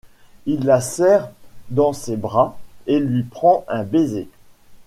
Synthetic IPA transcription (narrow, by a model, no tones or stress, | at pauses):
ilːasɛʁd̪ɑ̃sebʁaelɥipχɑ̃ʔɛ̃beze